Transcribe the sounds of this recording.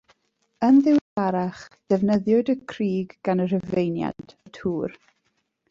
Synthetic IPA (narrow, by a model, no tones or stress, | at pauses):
ənðɪwdaɾaχd̥ɛvnəðjʊɨdəkʰriːɡɡanərəvejnja̰ntʰətʰuːr